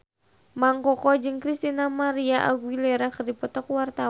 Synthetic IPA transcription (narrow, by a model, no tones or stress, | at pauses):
maŋkɔkɔd͡ʒɨŋkɾist̪inamaɾiaʔa̰ɡwilɛɾakɨrdipɔt̪ɔkwart̪a